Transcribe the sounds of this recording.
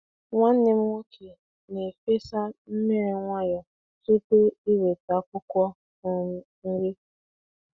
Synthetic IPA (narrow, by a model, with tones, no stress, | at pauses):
ŋʷa˦n̩ː˦e˦m̩˦ŋʷo˦kʰe˨ | ne˨fe˦sa˦m̩˦me˦ɾe˨ŋʷa˦jɔ˨ | tu˦tʊ˦i˦we˨ta˨kʷʊ˦kʷɔ˦ | n̩˨˦ | ŋ̩˦ɾɪ˦